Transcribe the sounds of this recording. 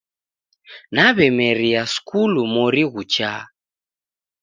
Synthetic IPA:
naβɛmɛɾiaskulumɔɾiɣut͡ʃa

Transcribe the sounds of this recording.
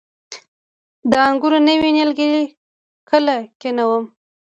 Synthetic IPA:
d̪əaŋɡuɾonəwinjalɡəɾi | kəlakenawəm

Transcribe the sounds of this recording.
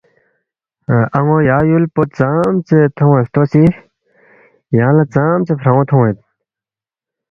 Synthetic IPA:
ɐŋojaːjulpot̪̚t͡samt͡set̪ʰowet̪t̪osi | jãːlat͡saːmt͡ɕepʰɾãõt̪ʰow̃et̪̚

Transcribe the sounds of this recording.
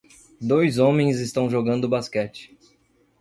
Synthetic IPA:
d̪ojzõmẽj̃zɪst̪ɐ̃w̃ʒoɡɐ̃nd̪ʊbaskɛt͡ʃɪ̥

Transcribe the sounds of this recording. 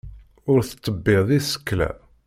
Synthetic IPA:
ʊɾθə̥t̪ˤːəbːɪðˤisə̥kːlæ̰

